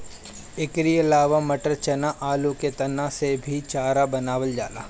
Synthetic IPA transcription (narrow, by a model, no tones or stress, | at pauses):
ɪkɾiəlaːʋamɐʈəɾt͡ʃɐnaʔaːlũket̪ɐnasebʱit͡ʃaːɾabɐnaːʋəld͡ʒaːla̰ː